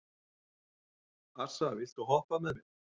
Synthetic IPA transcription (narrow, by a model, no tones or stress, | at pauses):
ar̥savɪl̥t̪ɔɣɦɔhpamɛðmɪ̥